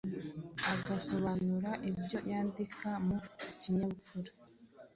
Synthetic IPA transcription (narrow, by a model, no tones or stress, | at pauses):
aɡaso̞βanuɾaʔibjo̞jaːndikamuciɲaβup͡fuɾa